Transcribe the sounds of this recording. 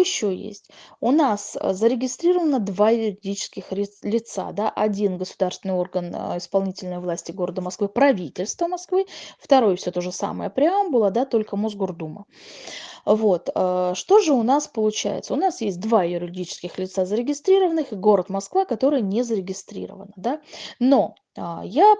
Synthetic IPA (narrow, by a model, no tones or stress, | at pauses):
jɪɕːojḛsʲtʲʊnaszəɾʲɪɡʲɪst̪ɾʲiɾəvənəd̪vajʊɾʲɪdʲit͡ɕɪ̥skʲɪxlʲɪlʲɪt̪sa̰d̪aʔɐdʲinɡəsʊ̥d̪arst̪vʲɪnɨɪo̞rɡənɪspɐlˠnʲitʲɪlʲnəjvlˠasʲtʲɪɡo̞ɾəd̪əmɐskvɨpɾɐvʲitʲɪlʲst̪vəmɐskvɨft̪ɐɾo̞jfsʲot̪oʐɨsa̰mə̰jəpɾʲɪamɡʊlˠəd̪at̪o̞lʲkəmozɡo̞rd̪umə̰ | vo̞t̪əʂt̪o̞ʐɨʊnaspəlˠʊt͡ɕæ̰jɪ̰t̪səʊnasjesʲt̚ʲd̪vajʊɾʲʊrdʲit͡ɕɪ̥skʲɪxlʲɪt̪sazəɾʲɪɡʲɪst̪ɾʲiɾəvənːɨxɡo̞ɾət̪mɐskvakɐt̪o̞ɾɨjənʲezəɾʲɪɡʲɪst̪ɾʲḭɾə̰və̰nəd̪ano̞ | əja